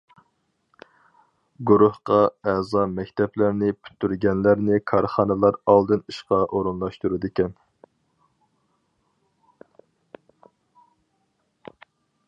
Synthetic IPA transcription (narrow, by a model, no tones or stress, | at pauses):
ɡuɾuhqɑɛzɑmɛkʲt̪ʰɛplæɾnɪpʰy̥t̪ːyɾɡʲɛnlæɾnɪkʰɑɾχɑnɨlˠɑɾɑlˠd̪ɨniʃqɑʔoɾunlˠɑʃt̪uɾud̪ɪkʲɛn